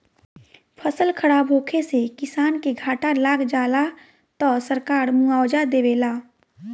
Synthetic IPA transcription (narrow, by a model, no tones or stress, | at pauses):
pʰəsəlkʰəɽaːbʱoːkʰesekɪsaːnkeɡʱaːʈalaːɡd͡ʒaːla | t̪ɔːsəɾkaːɾmũaːwd͡ʒad̪eːʋeːlaː